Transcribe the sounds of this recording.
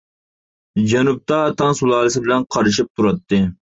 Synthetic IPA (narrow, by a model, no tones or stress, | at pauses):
d͡ʒɛnup̚t̪ɑːt̪ɑŋsulˠɑːlˠɨsɪbɪlɛnqʰɑɾɨʃip̚t̪ʰuɾɑt̪ːɨ